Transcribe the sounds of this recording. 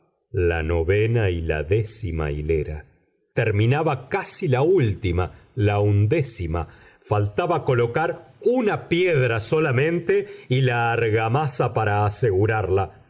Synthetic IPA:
la̰no̞βenaila̰ðesima̰ḭleɾa̰ | t̪eɾmĩnaβakasilault̪imalaund̪esima̰ | falt̪aβako̞lo̞kaɾunapjeðɾaso̞lamẽ̞nt̪eilaːɾɣamasapaɾaːseɣuɾaɾla

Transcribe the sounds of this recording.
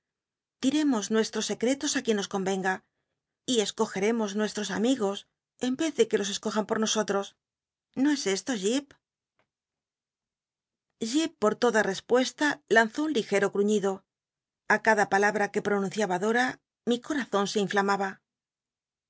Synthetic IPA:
t̪iɾe̞mo̞znwe̞st̪ɾosːe̞kɾe̞t̪o̞sakje̞nːo̞sko̞mbe̞ŋɡa | ie̞sko̞xe̞ɾe̞mo̞znwe̞st̪ɾo̞samiɣo̞s | e̞mbe̞θðe̞ke̞lo̞s̬e̞sko̞xampo̞ɾno̞so̞t̪ɾo̞s | no̞e̞se̞st̪o̞ʝip | ʝipːo̞ɾt̪o̞ðare̞spwe̞st̪alanθo̞unlixe̞ɾo̞kɾuɲiðo̞ | akaðapalaβɾake̞pɾo̞nũn̟θjaβaðo̞ɾa | miko̞ɾaθo̞nse̞iɱflamaβa

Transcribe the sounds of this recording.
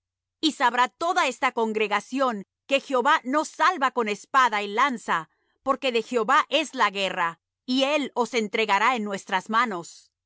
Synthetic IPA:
isaβɾat̪o̞ðae̞st̪ako̞ŋɡɾe̞ɣasjo̞ŋ | ke̞xjeo̞βano̞salβako̞ne̞spaðailansa | po̞ɾke̞ðe̞xeo̞βaʔe̞zlaɣe̞ra | ie̞lo̞se̞nt̪ɾe̞ɣaɾae̞nːwe̞st̪ɾazmano̞s

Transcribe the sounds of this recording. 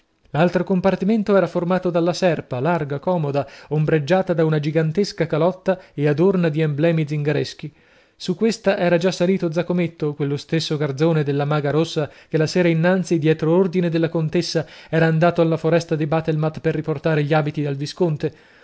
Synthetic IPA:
lalt̪ɾokompart̪iment̪oɛːɾaformaːt̪od̪alːasɛrpalarɡakɔːmod̪aombɾed͡ʒːaːt̪ad̪aunad͡ʒiɡant̪eskakalɔt̪ːaead̪ornad̪iɛmblɛːmid̪ziŋɡaɾesk̟i | sukːwest̪aʔɛːɾad͡ʒasːaliːt̪od̪zakomet̪ːokwelːost̪esːoɡard̪zoːned̪elːamaːɡaɾosːakelːasɛːɾainːant̪sid̪jɛːt̪ɾoord̪ined̪elːakont̪esːaɛːɾaːnd̪aːt̪oalːafoɾɛst̪ad̪ibaːt̪elmat̪perːiport̪aːɾeʎiaːbit̪id̪alviskont̪e

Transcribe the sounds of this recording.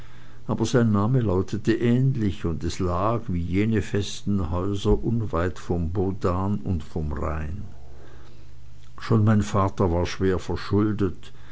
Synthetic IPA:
ʔaːbɐzaɪnːaːməlaʊtʰətəʔɛːnlɪçʊndɛslaːkviːjeːnəfɛstn̩hɔʏzɐʔʊnvaɪtfɔmboːdaːnʊ̰ntfɔmʁa̰ɪn | ʃoːnmaɪnfaːtɐvaːɐʃv̥eːɐfɛɐʃʊldət

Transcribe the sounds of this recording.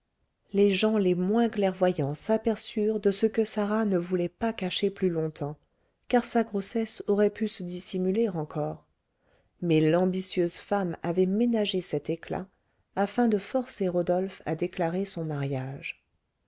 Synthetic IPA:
leʒɑ̃lemwɛ̃klɛʁvwajɑ̃sapɛʁsyʁd̪əsəkəsaʁanəvulɛpakaʃeplylɔ̃t̪ɑ̃ | kaʁsaɡʁosɛsɔʁɛpysəd̪isimyleʁɑ̃kʰɔːʁ | mɛlɑ̃bisjøzfamavɛmenaʒesɛt̪ekla̰ | afɛ̃d̪əfɔʁseʁɔd̪ɔlfa̰d̪eklaʁesɔ̃maʁjaʒ

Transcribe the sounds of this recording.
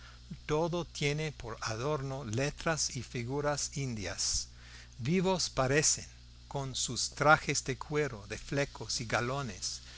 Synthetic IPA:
t̪oðot̪je̞nepoɾaðo̞ɾnolet̪ɾasifiɣuɾasind̪ja̰s | βiβospaɾeseŋ | ko̞nsust̪ɾaxezd̪ekʰwe̞ɾoðeflekosiɡalones

